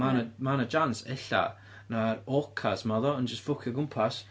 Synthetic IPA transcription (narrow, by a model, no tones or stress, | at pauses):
anamanad͡ʒansɛɬa̰ | naɾɔkʰasmaðɔənd͡ʒəstfʊkʰjɔɡʊmpʰas